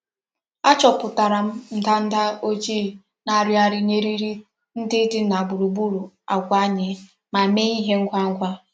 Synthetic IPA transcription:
a˦t͡ʃɔ˨pʊ˨ta˨ɾa˨m̩˦n̩˦da˦n̩˦da˦o˦d͡ʒi˦ | na˨ɾja˦ɾɪ˦ne˦ɾi˦ɾi˦ | n̩˦dɪ˦dɪ˦na˨ɡ͡bu˨ɾu˨bu˦ɾu˨ | a˨kʷa˦ɲɪ˦ | ma˨me˦i˦ɦe˦ŋ̩˦kʷa˦ŋ̩˦kʷa˦

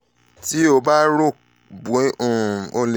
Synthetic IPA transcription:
ti˦o˧ba˦ɾo˦˨ | bũ˨˦ũ˨o˧le˨

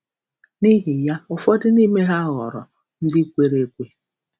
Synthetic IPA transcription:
ni˦ɦɪ˨ja˦ʊ˨fɔ˦dɪ˦ni˦me˦ɦa˦ɣɔ̰˨ɾɔ̰˨ | n̩˦dɪ˦kʷe˦ɾe˦kʷe˦

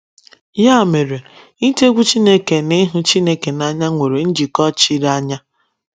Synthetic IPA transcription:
ja˦˨me˨ɾe˨ | i˦te˦ɡʷu˦t͡ʃi˦ne˦ke˨nɪ˦ɦʊ˦t͡ʃi˦ne˦ke˨na˦ɲa˦ŋʷe˨ɾe˨n̩˦d͡ʒi˨kɔ˦t͡ʃi˦ɾa˦ɲa˦

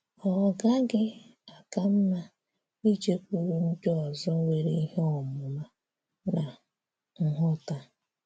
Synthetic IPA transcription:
ɔ˨ɡa˦ɡɪ˦a˨ka˦m̩˦na˦ | i˦d͡ʒe˦kʷu˨ɾu˦n̩˦dɔ˦ɔ˨zɔ˦we˨ɾe˦i˦ɦe˦ɔ˨mʊ˨ma˦ | na˨ | ŋ̩˨ɦʊ˦˨ta˦

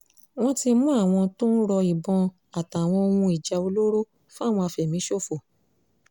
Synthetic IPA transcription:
w̃ɔ̃˦ti˧mũ˦a˦˨w̃ɔ̃˧to˦n̩˦ɾɔ˧i˨bɔ̃˧ | a˨ta˨w̃ɔ̃˧o˧wũ˧i˨d͡ʒa˨o˧lo˦ɾo˦ | fũ˦a˦˨w̃ɔ̃˧a˧fɛ˨mĩ˨˦ʃo˦˨fo˨

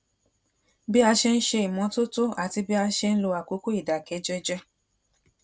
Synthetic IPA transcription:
bi˦a˧ʃe˧n̩˦ʃe˧i˨mɔ̃˨˦to˦to˦a˨ti˧bi˦a˧˦ʃe˧n̩˦lo˧a˨ko˨˧˦ko˦i˦˨da˨kɛ˨˦d͡ʒɛ˧d͡ʒɛ˦

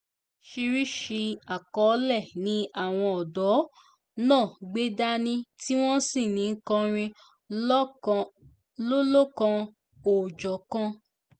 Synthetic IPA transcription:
ʃi˧ɾi˦ʃi˧a˨kɔ˨˦lɛ˦˨nĩ˧˦a˦˨w̃ɔ̃˧ɔ˨dɔ˨˦ | nãː˦˨ɡ͡be˦da˦nĩ˦ti˦w̃ɔ̃˦sĩ˦˨nĩ˨˧ŋ̩˦kã˧ɾ̃ĩ˧˦ | lo˦lo˦kã˧ | o˨d͡ʒɔ˨kã˧

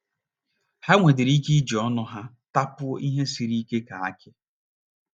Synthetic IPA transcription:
ha˦ŋʷe˨dɪ˨ɾi˦ki˦d͡ʒi˨ɔ˦nʊ˦ɦa˦ | ta˦pʊ˦ʔi˦ɦe˦si˨ɾi˦ke˦ka˨a̰˦kɪ˦

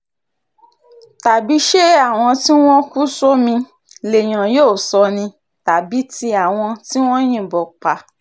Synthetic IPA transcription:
ta˨bi˨˦ʃe˦a˦˨w̃ɔ̃˧ti˦w̃ɔ̃˦ku˦so˦mĩ˧ | le˨j̃ã˨joː˦˨sɔ˧nĩ˧ | ta˨bi˨˦ti˧a˨w̃ɔ̃˧ti˦w̃ɔ̃˦j̃ĩ˦˨bɔ˨k͡pa˧

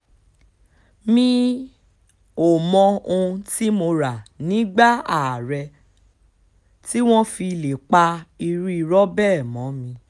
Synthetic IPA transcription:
mĩ˧ | o˨mɔ̃˧õ˧ti˦mo˧ɾa˨nĩ˨˦ɡ͡ba˦a˨ɾɛ˧ | ti˦w̃ɔ̃˦fi˧le˨k͡pa˧i˧ɾi˦i˧ɾɔ˦bɛ˦˨mɔ̃˨˦mĩ˧

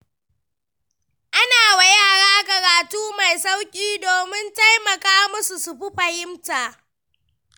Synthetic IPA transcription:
ʔa˦naː˨wa˨jaː˦˨ɽaː˦kɐ˨ɾaː˨tuː˦ma˨jsa˦wkʲʼiː˦doː˨mɪ˦nta˦jmɐ˨kaː˦mʊ˦su˨su˨ɸɪ˦ɸɐ˨hɪ˦mtaː˨ʔ

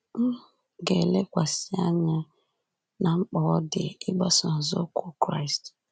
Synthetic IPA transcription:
ŋ̩˦ | ɡe˨le˦kʷa˨sɪ˦a˦ɲɪ˦ | na˨ŋ͡m̩˦k͡pɔ˨ɔ˦dɪ˨ɪ˦ɡ͡bɔ˦sɔ˨n̩˨zo˦kʷu˦kɾa˦i˨st

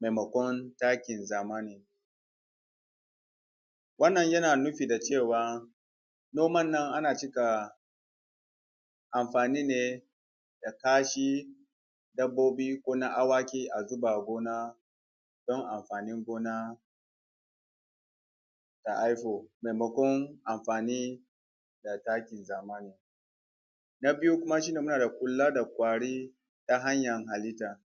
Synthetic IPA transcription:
ma˨mɐ˨kʷɔ˦ntaː˦kʲɪ˨nzaː˨maː˦ni˨ŋ | wɐ˦nːɐ˨ɲjɐ˦naː˨nʊ˦ɸi˨da˨t͡ʃe˦˨waː˨ | noː˦mɐ˦nːɐ˦ŋʔa˦naː˨t͡ʃɪ˦ka˨ | ʔa˨mɸaː˨niː˦neː˨ | da˨kaː˦ʃi˦ | dɐ˦bːoː˦biː˦kʷoː˦na˦ʔa˦waː˦kʲiː˦ʔa˨zʊ˦ba˨ɡʷoː˦naː˦ | d̥ɔ˦ŋʔa˨mɸaː˨nɪ˦ŋɡʷoː˦na˦ | ta˨ʔa˦jɸoː˨me˨jmɐ˨kʷɔ˦ŋʔa˨mɸaː˨niː˦ | da˨taː˦kʲɪ˨nzaː˨ma˦ne˨ | na˦bɪ˦ju˦kʷʊ˦ma˦ʃ̬i˦neː˨mʊ˦naː˨da˨kʷʼʊ˨lːa˦da˨kʷʼaː˨ɽiː˦ | ta˦ɦa˦ɲjɐ˨ŋɦa˨li˦taː˨

